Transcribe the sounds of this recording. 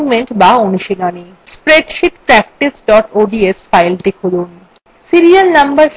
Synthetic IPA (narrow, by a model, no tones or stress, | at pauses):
meɳʈbaonuʃinani | spɾeɖʃiʈ̪pɾɛk̚ʈisɖɔʈoɖiesfajlt̪ekʰolun | siɾialnɐmbɐɾ